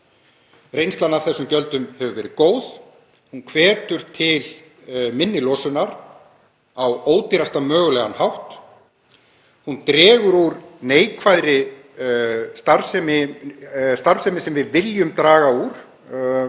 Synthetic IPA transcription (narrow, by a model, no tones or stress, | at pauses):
rejnst̪anːaɾ̥θɛsːʏmcœlt̪ʏmhɛvʏvɛːɾɪkoːwð | hunkʰvɛːt̪ʏɾ̥t̪ʰɪl | mɪnːɪlɔsʏnaɾ | awoːwt̪ɪɾast̪amœːɣʏlɛɣanhawht̪ | hunt̪ɾɛːɣʏɾuɾneːjkʰvajðɾɪ | st̪aɾsɛmɪ | st̪aɾsɛmɪsɛmvɪðvɪljʏmt̪ɾaːɣauɾ̥